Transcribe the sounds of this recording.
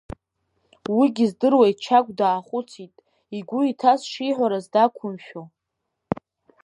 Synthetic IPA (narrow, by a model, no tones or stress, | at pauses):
wiɡʲizdɨrwajtt͡ʃʰakʷʼdaːχʷʊt͡sʰitʼ | iɡʷʊitʰasʂiħᶣʷaɾazdakʷʰʊmʃᶣo